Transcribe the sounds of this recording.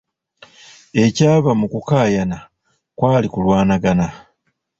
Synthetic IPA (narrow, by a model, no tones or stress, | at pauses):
e̞caːβamukukaːjana | kwaːlikulwaːnaɡana